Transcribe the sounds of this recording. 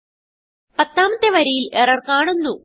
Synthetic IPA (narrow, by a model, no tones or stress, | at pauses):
pɐt̪ːaːmɐt̪ːeʋɐɾɐjilerɐrkaːɳunːu